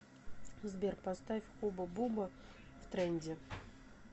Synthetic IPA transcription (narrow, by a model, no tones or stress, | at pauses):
zbʲerpast̪afʲxubəbubə | ft̪ɾɛnʲdʲɪ